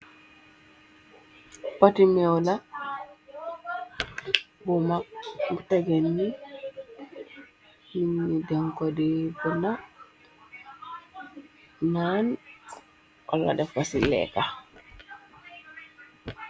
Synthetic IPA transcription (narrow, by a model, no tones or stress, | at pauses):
patimɛwla | bɔmakɡutɛɡɛnːi | hiɲːidaŋkɔdɛbɔna | nan | wa̰lːa̰dɛfasilɛ̰ka